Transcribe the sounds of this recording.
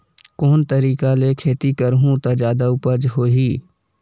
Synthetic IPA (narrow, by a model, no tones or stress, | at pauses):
koːnt̪əɾiːkalekʰeːt̪ikəɾɦũt̪ad͡ʒaːd̪aʊpəd͡ʒɦoːɦiː